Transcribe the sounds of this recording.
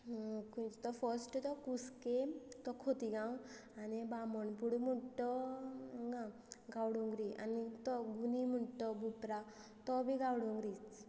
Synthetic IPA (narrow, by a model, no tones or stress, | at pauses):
kut̪ɔfʰɔsʈt̪ɔkusket̪ɔkʰot̪iɡaw̃anibamɔɳpuɽumuɳʈɔ | ɡa | ɡawɽuŋɡɾiʔa̰nit̪ɔɡunimuɳʈɔbupɾa | t̪ɔbʱiɡawɽuŋɡɾit͡s